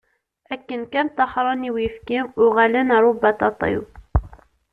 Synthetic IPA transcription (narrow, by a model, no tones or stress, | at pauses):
ʔækːənkænt̪ɑħɾˤɑniwjəfkimʊɣælənɾˤubːɑt̪ɑt̪ˤḭw